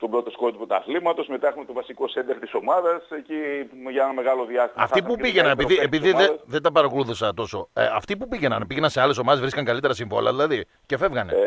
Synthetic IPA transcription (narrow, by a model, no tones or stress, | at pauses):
t̪obɾo̞t̪o̞skot̪ipot̪ɐ̰θlimɐt̪o̞sme̞t̪ɐexumet̪ovɐsiko̞send̪ext̪i̥so̞mɐðɐseciʝɐenɐme̞ɣɐloðiɐst̪imɐfipupiʝenɐepiðiepiðiðeðed̪ɐpɐɾɐkoluθusɐt̪o̞so̞ɐft̪ipupiʝe̞nɐnpiʝe̞nɐnse̞ɐle̞s̬o̞mɐðvɾiskɐŋkɐlit̪e̞ɾɐsiɱvo̞̰lɐ̰ðilɐði | ce̞fe̞vɣɐne